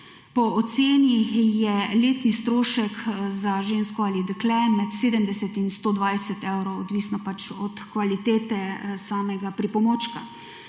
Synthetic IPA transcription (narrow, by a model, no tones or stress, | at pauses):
pɔɔt̪seːnjijɛleːt̪nist̪ɾoːʃəkzaʒeːnskɔaːlid̪əklɛmɛt̪seːd̪əmd̪ɛsɛt̪inst̪oːd̪ʋajsɛt̪ɛwɾowɔd̪ʋiːsnɔpat͡ʃɔt̪kʋalit̪eːt̪ɛsaːmɛɡapɾipɔmot͡ʃka